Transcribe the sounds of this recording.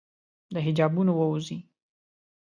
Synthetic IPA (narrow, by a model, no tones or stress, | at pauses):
d̪əɦɪd͡ʒɑbunowəuzi